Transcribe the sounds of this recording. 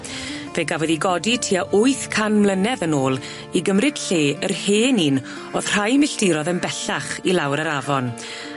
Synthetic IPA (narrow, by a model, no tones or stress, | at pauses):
veɡavɔðiɡɔditʰiːaʔʊɨθkʰanmlˠənɛðənoːlˠ | iɡəmrɨd̥ɬeːərheːnin | oð̥r̥ajmɪɬdɪɾɔðənbɛɬaχilˠawɾəɾavɔn